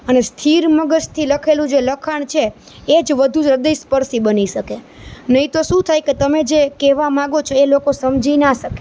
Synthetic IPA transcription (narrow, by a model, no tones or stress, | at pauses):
ənest̪ʰiɾməɡəst̪ʰiləkʰelũd͡ʒeləkʰaɳ̃t͡ʃʰeː | d͡ʒʋəd̪ʱũd͡ʒɾəd̪əjspəɾsibəniʃəke | nəĩt̪oʃũt̪ʰajket̪əmed͡ʒekeʋamãɡot͡ʃʰoelokosəmd͡ʒinaʃəke̥